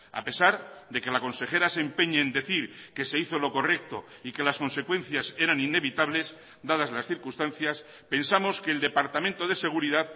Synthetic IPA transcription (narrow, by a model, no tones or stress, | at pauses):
a̰pe̞saɾðe̞ke̞lako̞nse̞xe̞ɾasempe̞ɲeːnd̪e̞θiɾke̞se̞iθo̞lo̞ko̞re̞k̚t̪o̞̰ikelasko̞nse̞kwe̞n̟θjase̞ɾanine̞βit̪aβle̞s | d̪aðazlasθiɾkust̪anθjas | pe̞nsamo̞skeːld̪e̞paɾt̪amẽnt̪o̞ð̞e̞se̞ɣ̞uɾiðað